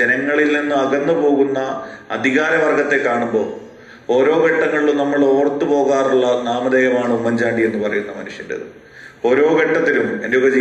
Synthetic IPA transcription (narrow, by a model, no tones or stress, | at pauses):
d͡ʑenɐŋːɐɭilninːɨɐɡɐnːɐpo̞ːɣunːɐːd̪ʱiɣaːɾɐʋɐrɡɐt̪ːe̞kːaːɳumbo̞ː | o̞ːɾo̞ːɡeʈːɐŋːɐɭilumnɐmːɐɭo̞ːrt̪ːupo̞ːɣaːruɭːɐnaːmɐðeːjɐmaːɳɨmːɐɲd͡ʑaːɳɖie̞nːɨpɐrɐ̰junːɐmɐnuʂjɐndeɐ̰ðɨ̰ | o̞ːɾo̞ːɡeʈːɐt̪ːilumenoːɡɐd͡ʑi